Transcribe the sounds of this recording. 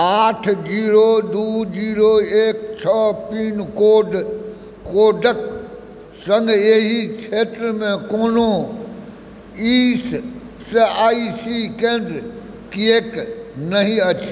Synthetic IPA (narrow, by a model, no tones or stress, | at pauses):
aːʈʰd͡ʑiːɾod̪uːd͡ʑiːɾoeːk̚t͡ʃʰəpiːnkoːɖ | koːɖək | sɐ̃ŋɡeɦit͡ʃʰeːt̪ɾmẽkoːno | iːs | saːisikẽːnz | kieːknɐɦĩɐt͡ɕʰː